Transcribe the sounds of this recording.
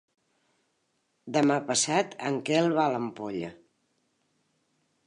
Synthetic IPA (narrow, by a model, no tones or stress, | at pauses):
d̪əmapəsat̪ə̰ŋkɛlˠβaləmpoʎə̰